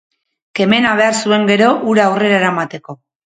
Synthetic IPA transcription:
ke̞me̞naβ̞e̞aɾsue̞ŋɡe̞ɾo̞ʔuɾaːwre̞ɾaeɾaemat̪e̞ko̞

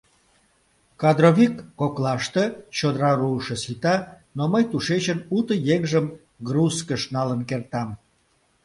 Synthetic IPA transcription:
kɑd̪ɾoβʲikːoklɑʃt̪et͡ɕod̪ɾɑruʃəsit̪ɑ | noməjt̪uʃet͡ɕənut̪əjeŋʒəm | ɡruskəʃnɑlənkert̪ɑm

